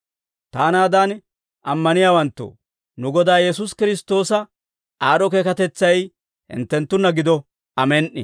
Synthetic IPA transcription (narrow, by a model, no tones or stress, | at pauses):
t̪aːnaːd̪aːn | ʔɐmːɐnɪjaːwɐnt̪ːo̰ | nʊɡɔd̪aːjɛs̬ʊskɪɾɪst̪o̞ːsɐ | aːɾɔkeːkɐt̪ɛt͡sːɐj | hɪ̰nt̪ːɛnt̪ːʊnːɐɡɪd̪ɔ | ɐmɛnʔɪ̰